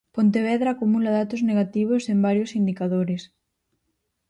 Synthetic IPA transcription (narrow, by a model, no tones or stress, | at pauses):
pont̪eβ̞ɛðɾaːkumulaðat̪ozneɣ̞at̪iβ̞osembaɾjosind̪ikaðoɾes